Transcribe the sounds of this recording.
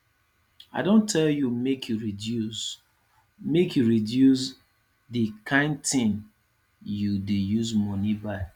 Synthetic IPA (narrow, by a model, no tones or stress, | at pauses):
aɪdõntʰɛljumekʰjuɹidus | mekjuɹidjus | dikʰãɪ̃n̚tĩn | judejuzmɔnibaɪ